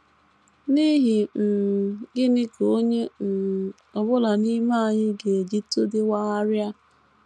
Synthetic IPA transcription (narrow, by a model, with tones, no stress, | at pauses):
ni˦ɦi˨n̩˨ɡɪ˦nɪ˦ko˦ɲe˦n̩˨ | ɔ˨bʊ˦la˨ni˦ma˦˨ɲɪ˦ɡe˨d͡ʒi˦to˦dɪ˦wa˦a˦ɾja˦